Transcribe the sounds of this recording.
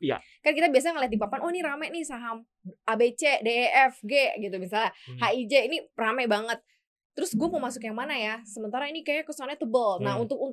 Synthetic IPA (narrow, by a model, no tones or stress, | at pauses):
ja̰ | kaɾnkit̪abias̬aɲaŋəliat̪ipapanʔɔniɾamɛnɪhsaɦam | abet͡ʃedeʔɛfɡeɡit̪umisalahaid͡ʒeiniramɛbaŋət̪̚ː | əɾʊsɡuaməmasʊkjaŋmanajasəmənt̪aɾainikajakəsoanat̪əbəlnaɦunt̪ʊk̚un